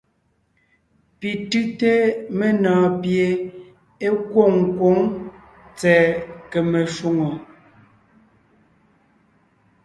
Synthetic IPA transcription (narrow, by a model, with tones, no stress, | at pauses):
pi˨tʉ˦te˦me˦nɔː˨pje˨ | e˦kwo˦˨ŋ˨kwo˨˦ŋ | t͡sɛː˨ke˨me˨ʃu˦ŋo˨